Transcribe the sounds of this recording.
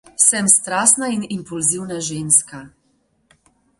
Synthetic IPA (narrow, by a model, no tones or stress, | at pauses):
wsɛmst̪ɾaːsnainimpulziwnaʒenska